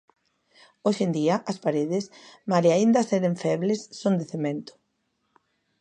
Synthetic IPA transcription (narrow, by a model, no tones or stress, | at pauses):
oʃend̪iɐʔɐspaɾeðɪsmaliaind̪ɐseɾeɱfɛβlesːond̪eθemẽnt̪ʊ̥